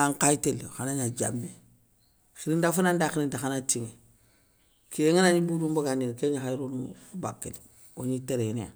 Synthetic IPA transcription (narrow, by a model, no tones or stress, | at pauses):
aŋkajiteloxanaɲaɟa̰mbe | xiɾindafunandaxiɾindaxanatiŋe | kieŋanaɲibuɾumbaɡaninkeɲaxajɾunumbakːeli | oɲiteɾenea̰